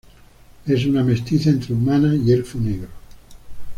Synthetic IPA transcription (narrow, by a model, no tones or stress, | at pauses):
e̞s̬uname̞st̪iθaent̪ɾeumanaielfuneɣɾo